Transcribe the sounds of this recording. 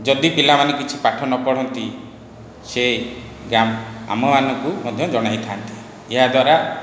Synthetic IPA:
d͡ʒɔd̪ipilamanɔkit͡ʃʰipaʈʰɔnɔpɔɽ̤ɔnt̪i | se | ɡɾama̰mɔmanɔŋkumɔd̪ʱjɔd͡ʒɔɽ̃ajt̪ʰant̪i | eɦad̪waɾa

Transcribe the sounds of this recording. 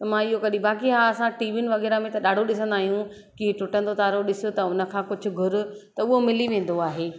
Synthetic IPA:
t̪ɐmãːɪɦokɐɗĩbaːkiɦaːɐsãʈiːʋɪnɪ̆ʋɐɣɛːɾamẽt̪ɐɗaːɖʱoɗɪs̬ə̃nd̪aːɦijũ | kiʈʊʈə̃nd̪ot̪aːɾoɗɪsʊ̆t̪ɐʊnə̆kʰãːkʊd͡ʑʱʊ̆ɡʱʊɾʊ̆t̪ɐʊɦomɪliʋẽːn̆d̪oaːɦeː

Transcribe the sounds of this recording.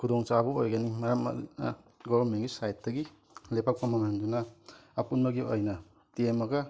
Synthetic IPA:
kʰudɔŋt͡ʃabɐojɡɐnimɐɾam̰ | ɡɔbɐnmenɡisajtdɐɡi | lepak̚pɐmɐmendunɐɐpunmɐɡiojnɐ | tiemɐɡɐ

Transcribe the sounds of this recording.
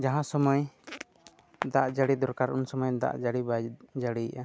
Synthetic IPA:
d͡ʒaɦãsɔmɔj | d̪aʔd͡ʒaɽid̪ɔɾkaɾʔunsɔmɔjd̪a̰ʔd͡ʒaɽibad͡ʒaɽiʔa

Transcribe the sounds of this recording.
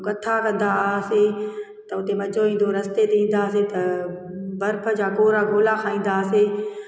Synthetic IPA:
kɐt̪ʰakɐ̃nd̪ase | t̪ɐʊt̪emɐd͡ʑoĩːn̆d̪oɾɐst̪et̪eĩːn̆d̪aːset̪ɐ | bɐɾpʰəd͡ʑaːkoːɾaɡʱoːlakʰãːĩːn̆d̪aːse

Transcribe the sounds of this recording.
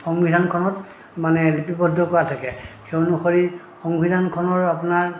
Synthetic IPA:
xɔŋbidʱankʰɔnɔt | manɛlipipɔdʱːɔkɔɹatʰakɛxenuxoɹi | xɔŋbʱidʱankʰɔnɔɹapunaɹ

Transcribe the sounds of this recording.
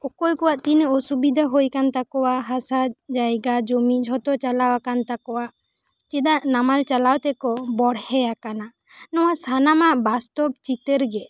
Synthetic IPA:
ɔkɔjkɔwaʔt̪inɔsubid̪ʱaɦojkant̪akɔwaʔɦasad͡ʒajɡad͡ʒomid͡ʒʱɦɔt̪ɔt͡ʃalawakant̪akɔwaʔ | t͡ʃɛd̪aʔnamalt͡ʃalawt̪ɛkɔbɔɽhɛjakana | nɔwasanamaʔbast̪ɔb̚t͡ʃit̪əɾɡɛ

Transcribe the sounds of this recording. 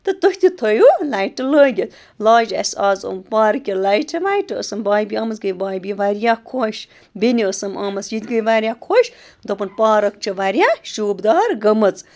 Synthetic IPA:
t̪ɨt̪ohʲt̪it̪ʰojulajʈɨləːɡʲet̪ | laːd͡ʒɐ̰saːzo̰mpaːɾɐkʲjilajʈʰɐʋajʈɨə̰sɐmbaːjbiɐmɐt͡sɡəjbaːjbiʋaɾjakʰoːʃ | biniəsɐmamɐt͡sjit̪ɡəjʋaɾʲjaːkʰoʃ | d̪opɐnpaːɾɐk̚t͡ʃʰɨʋaɾjaʃuːbd̪aːɾɡɐmɐt͡s

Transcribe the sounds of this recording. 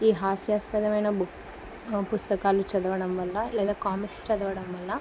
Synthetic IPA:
iːɦaːsjaːspɐd̪ɐʋɐjnɐbu | pust̪ɐkaːlut͡ʃɐd̪ɐʋɐɽɐmʋɐlːɐlɛːd̪aːkaːmikst͡ʃɐd̪ɐʋɐɽɐmʋɐlːɐ

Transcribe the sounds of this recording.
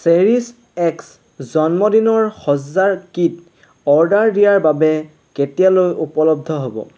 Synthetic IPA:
seɹis | ɛks | zɔnmɔdinɔɹxɔzzaɹkit | ɔɹdaɹdijaɹbabɛ | ketijalojupɔlɔb̚d̪ʱɔɦobɔ̰

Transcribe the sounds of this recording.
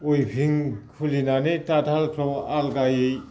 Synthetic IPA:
ojpʰiŋkʰulinanetatʰalpʰɾɔwalɡajej

